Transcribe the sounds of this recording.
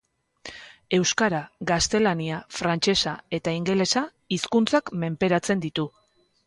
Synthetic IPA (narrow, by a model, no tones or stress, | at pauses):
e̞wskaɾaɡast̪e̞laniafɾant͡ʃe̞sae̞t̪aiŋɡe̞le̞sa | iskunt͡sakme̞mpe̞ɾat͡se̞nd̪it̪u